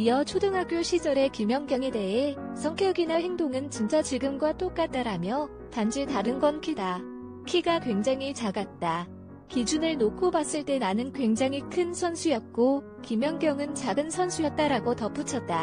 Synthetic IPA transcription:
iʌt͡ɕʰodɯŋɦak͈̚joɕʰid͡ʑʌɾe̞kimjʌŋɡjʌŋe̞de̞ɦesʰʌŋkʰjʌɡinaɦe̞ŋdoŋɯnt͡ɕint͡ɕ͈at͡ɕiɡɯmɡwat͈ok͈at̚t͈aɾamjʌ | tand͡ʑʰitaɾɯnɡʌnkʰida | kʰiɡakwe̞ŋd͡ʑaŋɦit͡ɕaɡat̚t͈a | kid͡ʑunɯɭnokʰobas͈ɯɭt͈e̞nanɯnkwe̞ŋd͡ʑaŋɦikʰɯnsʰʌnsʰujʌt̚k͈o | kimjʌŋɡjʌŋɯnt͡ɕaɡɯnsʰʌnsʰujʌt̚t͈aɾaɡotʌp͈ut͡ɕʰʌt̚t͈a

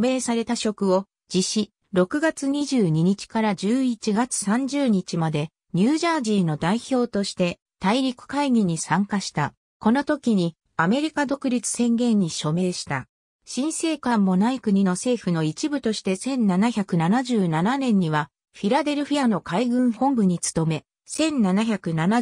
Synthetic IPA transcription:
me̞ːsaɾe̞t̪aɕo̞kɯ̟o̞ | d͡ʑiɕi | ɾo̞kɯ̟ɡat͡sɨɲ̟iʑɨːɲ̟iɲ̟it͡ɕi̥kaɾad͡ʑɨːit͡ɕiɡat͡sɨ̥sãɲ̟d͡ʑɨːɲ̟it͡ɕimad̪e̞ | ɲ̟ɨːʑaːʑiːno̞d̪aiço̞ːt̪o̞ɕi̥t̪e̞ | t̪aiɾʲikɯ̟̥kaiɡʲiɲ̟isãŋkaɕi̥t̪a | ko̞no̞t̪o̞kʲiɲ̟i | ame̞ɾʲikad̪o̞kɯ̟ɾʲit͡sɨ̥sẽ̞ŋɡẽ̞ɲ̟ːiɕo̞me̞ːɕi̥t̪a̰ | ɕĩɰ̃se̞ːkãmːo̞naikɯ̟ɲ̟ino̞se̞ːɸɯ̟no̞it͡ɕibɯ̟t̪o̞ɕi̥t̪e̞sẽ̞nnanaçʲakɯ̟nanaʑɨːnananẽ̞ɲ̟ːiβa | ɸʲiɾad̪e̞ɾɯ̟ɸijano̞kaiɡɯ̟̃ɰ̃hõ̞mbɯ̟ɲ̟it͡sɨ̥t̪o̞me̞ | sẽ̞nːanaçʲakɯ̟nana

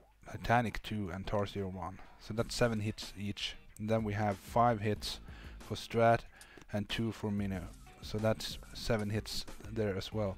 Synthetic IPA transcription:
tʰaɪtʰænɨktʰʉɨ̃ntʰɑɹsiə˞wʌ̃nsoʊðætsɛvɨ̃nɦɪtsit͡ʃn̩ðɨ̃nwiɨv̥faɪv̥ɦɪtsfə˞stɹ̥æɾ | ɨ̃ntʰʉfə˞mɪ̃no | soʊðætsːɛvɨ̃nɦɪtsðə˞ɨzwɛlˠ

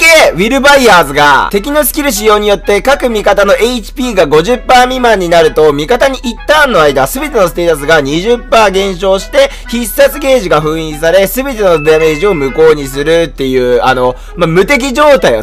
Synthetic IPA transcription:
keβʲiɾɯ̟baiaːzɨɡa̰t̪e̞k̬ʲino̞sɨ̥kʲiɾɯ̟ɕ̬ijo̞ːɲ̟ijo̞t̪ːe̞kakɯ̟mʲikat̪ano̞ʔeit͡ɕi̥pʲiːɡaɡo̞ʑɨpːaːmʲimãɲ̟ːinaɾɯ̟t̪o̞mʲikat̪aɲ̟iʔit̪ːãːnːo̞aid̪asɨbe̞t̪e̞no̞st̪e̞ːt̪as̬ɨɡaɲ̟iʑɨpːaːɡẽ̞ɰ̃ɕo̞ːɕi̥t̪e̞ | çisːat͡sɨɡe̞ːʑiɡaɸɯ̟̃ɰ̃ĩːsaɾe̞sɨbe̞t̪e̞no̞d̪ame̞ːʑio̞mɯ̟ko̞ːɲ̟isɨɾɯ̟t̪ːe̞jɯ̟ːano̞ | mamɯ̟t̪e̞k̬ʲiʑo̞ːt̪aia̰

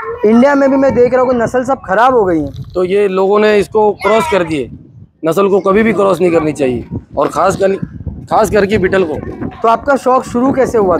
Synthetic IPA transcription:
ɪ̃ɳɖijamẽbʱimɛ̃d̪eːkʰɾɐõkinɐsəls̬ɐb̚xʰɐɾaːbɦoɡɐiɦɛ̃ːt̪ojeloːɡõneɪskokɾɔːskɐɾd̪ieː | nɐsəlkokɐbʱibʱikɾɔːsnɐɦĩkɐɾnit͡ʃaːɦiḛɔːɾxʰaːskəkaːsɡɐɾkibiʈəlkoːt̪oaːp̚kaʃɔːkʃʊɾukɛːseɦua

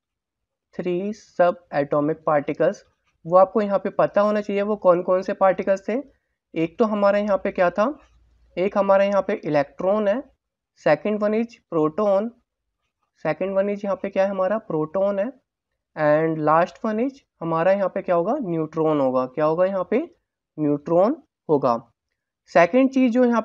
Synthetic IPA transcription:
t̪ʰɾiːsɐbɛːʈɔːmɪk̚paːɾʈɪkəlz | ʋoaːp̚kojɐɦãpepɐt̪aɦoːnat͡ʃaːɦieʋokɔːnkɔːnsepaːɾʈɪkəlst̪ʰe | eːk̚t̪oɦɐmaːɾajɐɦãpekjaːt̪ʰa | eːkɦɐmaːɾajɐɦãpeʔɪlɛːk̚ʈɾoːnɦɛː | sɛːkə̃ɳɖʋɐnɪt͡ʃpɾoːʈoːn | sɛːkə̃ɳɖʋɐnɪt͡ʃjɐɦãpekjaːɦɛɦɐmaːɾapɾoːʈoːnɦɛː | ɛ̃ːɳɖlaːsʈʋɐnɪt͡ʃhɐmaːɾajɐɦãpekjaːɦoːɡanjuːʈɾoːnɦoːɡaːkjaːɦoːɡajɐɦãpe | njuːʈɾoːn | ɦoːɡa̰ː | sɛːkə̃ɳɖ̚t͡ʃiːzd͡ʒoːjɐɦã

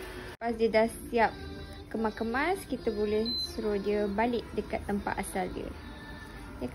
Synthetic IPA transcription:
pasdidahsiap̚ | kəmakəmaskit̪əbolɛhsəɾodiəbalɪʔ̚dəkat̪ːəmpa̰ʔ̪asaldḭə̰ | jə

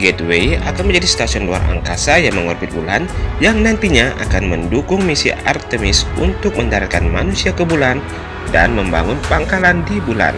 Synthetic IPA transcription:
ɡɛt̪weiakanməɲd͡ʒadist̪asiɔnlua̰ra̰ŋkasajaŋməŋɔrbɪt̪̚bulanjaŋnant̪iɲaʔa̰kanməndukʊŋmisḭa̰rt̪əmɪsṵnt̪ʊk̚məndaɾakanmanusiakəbulan | da̰nməmba̰ŋʊnpaŋkalandibula̰n

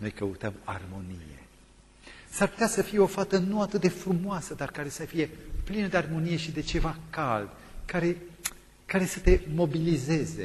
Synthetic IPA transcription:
no̞̰jkəut̪əma̰rmo̞nḭje̞̰ | sarput̪easəfije̞o̞fat̪ənuat̪ɨt̪̚d̪e̞fɾumoasəd̪arkaɾe̞safije̞plinəd̪e̞armo̞nije̞ʃid̪e̞t͡ʃe̞vakald̪ | kaɾe̞ | kaɾe̞sət̪e̞mo̞bilize̞ze̞̰

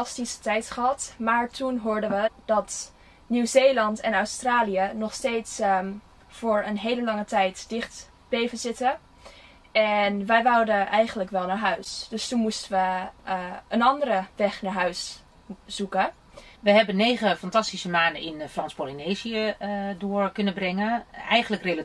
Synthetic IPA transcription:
ɑstisə̥tɛjtχəɦɑtmaːɹtʰunɦʊːɹdənʋəd̥ɑt | nywzeːlɑntɛnœwstraːlijənɔχstejts | v̥oːɹənɦejləlɑŋətɛjtdɪχt | b̥ejvənzɪtə | ɛnʋɛjʋawdəʔɛjχənləkʋɛlˠnaːɹɦœɥsd̥ɵstunmustəʋə | ənɑndərəʋɛxnaːɹɦœɥs | z̥ukə | ʋəɦɛbənːejχəfɑntɑstisəmaːndəɪnfrɑnspolineziədʊːɹkɵnəbrɛŋənɛjχənləkrela

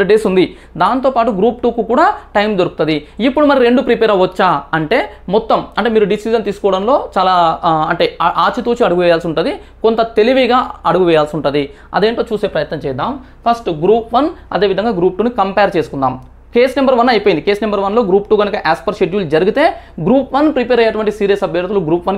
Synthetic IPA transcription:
ɐɖeːsund̪i | d̪aːnt̪o̞ːpaːʈuɡɾuːpʈuːkukuːɽaːʈɐjmd̪oɾukut̪ɐd̪iipːuɽumɐɾiɾe̞ɳɖupɾipeːɾɐʋɐt͡ʃːaːɐɳʈe̞ːmɔt̪ːɐmɐɳʈemiːɾuɖisid͡ʒɐnt̪iːsu̥kɔʋɐɽɐnlo̞ːt͡ʃaːlaːɐɳʈe̞ːʔaːt͡ʃit̪uːt͡ʃiɐɽuɡuʋɛːjaːlsiuɳʈund̪i | ko̞nt̪ɐt̪e̞liʋiɡaːɐɽuɡuʋɛːjaːlsiuɳʈund̪i | ɐ̰d̪eːɳʈoːt͡ʃuːse̞ːpɾɐjɐt̪nɐmt͡ʃɛːd̪aːm | pʰɐsʈɡɾuːpʋɐnɐ̰d̪e̞ːʋid̪ʱɐŋɡaːɡɾuːp̚ʈuːnikɐmpeɾt͡ʃe̞ːsu̥kund̪aːm | ke̞ːsnɐmbɐɾʋɐnːɐjpoːjind̪ike̞ːsnɐmbɐɾʋɐnlo̞ːɡɾuːpʈuːɡɐnukɐʔaːspɐɾʃeɖjuːld͡ʒɐɾuɡit̪e̞ː | ɡɾuːpʋɐnpɾipeːɾɐjɐʈuʋɐɳʈisiːɾiɐsɐbʱjɐɾt̪uluɡɾuːpʋɐn

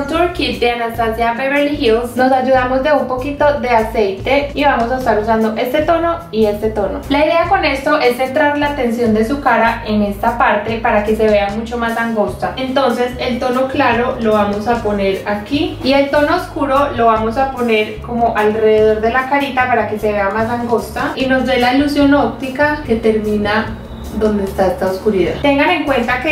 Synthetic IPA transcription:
t̪uɾkit̪̚d̪eanast̪asjabeβelihjono̞sad͡ʒuðamo̞zd̪e̞umpo̞kit̪o̞ðe̞ase̞jt̪e̞iβamo̞s̬aest̪aɾusand̪o̞ʔe̞st̪e̞t̪o̞no̞ie̞st̪e̞t̪o̞no̞laiðe̞ako̞ne̞st̪o̞ʔe̞sːe̞nt̪ɾaɾlat̪e̞nsjo̞nd̪e̞sukaɾaʔe̞ne̞st̪apaɾt̪e̞paɾake̞se̞β̞e̞amut͡ʃo̞masaŋɡo̞st̪aent̪o̞nse̞se̞lt̪o̞no̞klaɾo̞lo̞βamo̞sapo̞ne̞ɾakiie̞lt̪o̞no̞oskuɾo̞lo̞βamo̞sapo̞ne̞ɾko̞mo̞ʔalre̞ðe̞ð̞o̞ɾd̪e̞lakaɾit̪apaɾake̞se̞βe̞amasaŋɡo̞st̪aino̞zd̪e̞lailusjo̞nop̚t̪ikake̞t̪e̞ɾmĩna | ðo̞nd̪est̪aest̪aoskuɾiða̰t̪e̞ŋɡane̞ŋkwe̞nt̪ake

